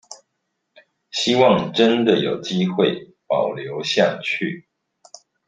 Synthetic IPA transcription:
ɕi˥wɑ˥˨ŋʈ͡ʂə˦nd̪ə˨jo̰˨˩ʊt͡ɕi˦xwe˥˨ɪ | pɑ˨˩ʊljo˨˦ʊɕja˥˨t͡ɕʰy˥˩

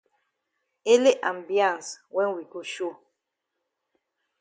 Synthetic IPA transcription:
e˦le˦ʔã˨mbjã˦˨nswɛ̃˦wi˨ko˦ʃo˦˨

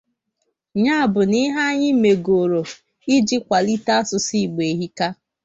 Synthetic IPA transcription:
ɲa˦a˨bʊ˨ni˦ɦa˦ɲɪ˦me˨ɡo˨ɾo˨ | i˦d͡ʒi˦kʷa˨li˦ta˦sʊ˨si˦˨ɡ͡be˨ɦi˦ka˦

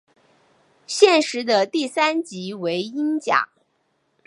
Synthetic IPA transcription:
ɕjɛ˥˩nʂɻ̩˧˥d̪ə˧t̪i˥˩sa˥nt͡ɕi˧˥we˧˥ɪi˥nt͡ɕja̰˨˩˦

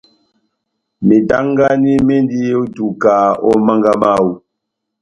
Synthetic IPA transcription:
me˨ta˦ŋɡa˦ni˦me˦ndi˦jo˦tu˨ka˨ɔ˦ma˦ŋɡa˦ma˦˨wu˦

